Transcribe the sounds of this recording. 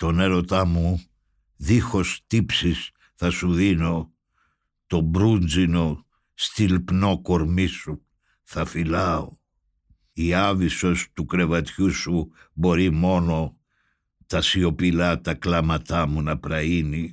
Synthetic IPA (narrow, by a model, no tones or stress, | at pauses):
t̪o̞ne̞ɾo̞t̪ɐmu | ðixo̞st̪ipsis | θɐsuðino̞ | t̪o̞bɾund͡zino̞ | st̪ilpno̞ko̞ɾmisu | θɐfilɐo | iɐviso̞st̪ukɾe̞vɐt̪çusubo̞ɾimo̞no̞ | t̪ɐsio̞pilɐt̪ɐklɐmɐt̪ɐmunɐpɾɐini